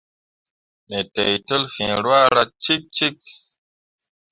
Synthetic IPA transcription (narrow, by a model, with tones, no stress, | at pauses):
me˨te˨jtə˦lfḭ̃˨ɾwa˦ɾa˦t͡ʃi˦t̚t͡ʃi˦t̚